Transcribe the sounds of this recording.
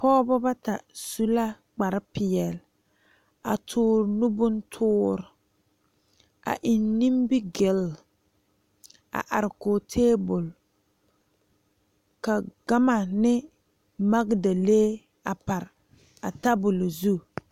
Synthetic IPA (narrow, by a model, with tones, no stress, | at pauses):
pɔː˦bɔ˦ba˦ta˨su˦la˦ | k͡pa˨ɾɪ˦pɪ˨ɛ˨l | a̰˨tʰʊː˦ɾnu˦bʊ˦n˦tʰʊː˦ɾɪ˨ | a̰˨ʔi˨nːi˦mbi˦ɡɪ˨l | a̰˨ʔa˨ɾɪ˨koː˨tʰeː˦bʊ˨l | ka˨ɡa˦ma˨nɪ˦ | ma˦ɡda˨leː˦ | a˨pa˨ɾ | a˨ta˦bʊ˨lzu˦